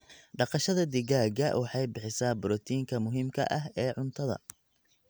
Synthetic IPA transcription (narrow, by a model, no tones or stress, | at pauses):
ɖɑqɑʃɐðɐd̪ɪɣaːɡɐʔwʔɑħɑjbɪħɪsaːbʊɾɔt̪ʰiːŋkʰɐmʊɦiːmkʰɐ̰ʔɐɦɛːʕʊnt̪ʰɐðɐ̰